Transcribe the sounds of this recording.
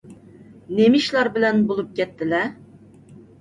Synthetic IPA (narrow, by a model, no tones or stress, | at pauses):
nemiʃlˠɑɾbɪlɛnbolˠup̚kʲɛt̪ːɪlɛ